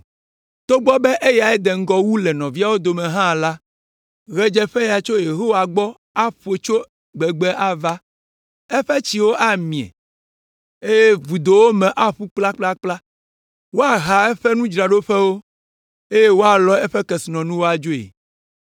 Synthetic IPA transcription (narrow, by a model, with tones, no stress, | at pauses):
t̪o˦ɡ͡bɔ˦bɛ˦ʔe˦ja˨ɛ˦d̪ɛ˨ŋ̩˦ɡɔ˦wu˦lɛ˨nɔ̃˨vi˦a˦wo˦d̪o˨mɛ̃˨ɦã˦˨la˦ | ɣɛ˦d͡ʒɛ˦ɸɛ˦ja˨t͡ʃo˦je˨ɦo˦wa˨ɡ͡bɔ˦ | a˦ɸo˨t͡ʃo˦ | ɡ͡bɛ˨ɡ͡bɛ˦ʔa˦va˦ | ɛ˦ɸɛ˦t͡ɕi˨wo˦ʔa˦mĩ˨ɛ̰̃˨ | e˦je˦vu˨d̪o˨wo˦mɛ̃˨ʔa˦ɸu˦k͡pla˦k͡pla˦k͡pla˦ | wo˦a˨ɦa˨ɛ˦ɸɛ˦nũ˦d͡ʒɾa˨ɖo˦ɸɛ˦wo˦ | e˦je˦wo˦a˨lɔ˦ɛ˦ɸɛ˦kɛ˨si˨nɔ̃˨nũ˦wo˦a˨d͡ʒo˦ḛ˨